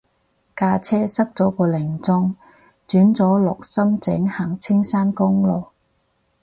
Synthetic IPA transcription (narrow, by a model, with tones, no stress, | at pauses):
kaː˧t͡sʰɛː˥sɐ˥k̚t͡sɔː˨˥kɔː˧lɪ˨˩ŋt͡sʊ˥ŋ | t͡syː˨˥nt͡sɔː˨˥lɔː˨k̚sɐ˥mt͡sɪ˨˥ŋhaː˨˩ŋt͡sʰɪ˥ŋsaː˥nkʊ˥ŋlɔː˨˩k̚